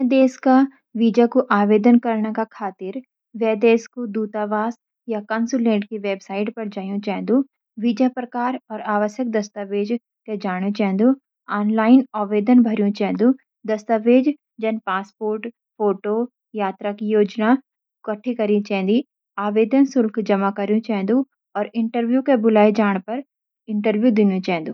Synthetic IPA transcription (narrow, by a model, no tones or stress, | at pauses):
ʋd̪eːska | ʋiːd͡ʒakuʔaːʋeːd̪ənkɐɾɳ̃kakʰaːt̪ɪɾ | ʋɛːd̪eːskud̪uːt̪aʋaːs | jakɐ̃ːnsulẽːʈkiʋeːbsaːɪʈpɐɾd͡ʒaːjũt͡ʃɛɦn̆d̪u | ʋid͡ʒapɾɐkaːɾɔːɾaːʋəʃjək̚d̪ɐst̪aʋeːd͡ʒ | ked͡ʒaːɽ̃ũt͡ʃɛ̃ɦnd̪u | aːnlaːɪnaːʋeːd̪ənbʱɐɾijũt͡ʃɐɦn̆d̪u | d̪ɐst̪aʋeːd͡ʑ | d͡ʒɐnɪpaːspoːɾʈ | foːʈo | jaːt̪ɾakijoːd͡ʑna | kɐʈʰikɐɾĩt͡ʃɐɦɛ̃n̆d̪i | aːʋeːd̪ənsʊlkʰd͡ʒɐmakɐɾijũt͡ʃɐɦɛ̃nd̪ũ | ɔːɾɪ̃ɳʈəɾʋjukebʊlaːid͡ʒaːɽ̃pɐɾ | ɪ̃ɳʈəɾʋjud̪ɪnijũt͡ɕaɦɛ̃nd̪ũː